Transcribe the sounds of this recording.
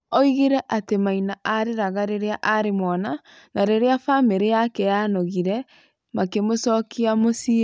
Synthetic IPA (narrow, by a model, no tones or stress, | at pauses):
ɔiɣeɾɛʔatemainaʔaɾeɾaɣaɾeɾeaʔaɾemwɔna | naɾeɾeafameɾejakɛjanoɣiɾɛ | makemosɔkiamosi